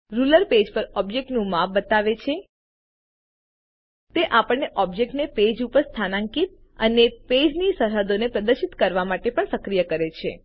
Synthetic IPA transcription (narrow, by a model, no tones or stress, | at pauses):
ɾuləɾped͡ʒpəɾɔbjek̚ʈnũmafbət̪aʋet͡ʃʰe | t̪eʔapəɳːeʔɔbjek̚ʈneped͡ʒupəɾst̪ʰanãŋkit̪̚ | əneped͡ʒnisəɾɦəd̪onepɾəd̪əɾʃit̪kəɾʋamaʈepəɳsəkɾijəkəɾet͡ʃʰḛ